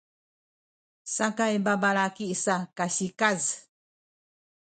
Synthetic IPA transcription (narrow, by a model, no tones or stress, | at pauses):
sakaebabaɾakiʔsakaɕikaz